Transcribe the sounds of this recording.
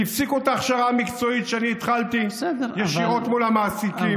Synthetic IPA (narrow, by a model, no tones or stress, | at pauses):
ifsikuotaːχʃaʁamikt͡so̞it̪ʃeaniːt̪χalt̪ijeʃiʁo̞t̪mulamaːsiki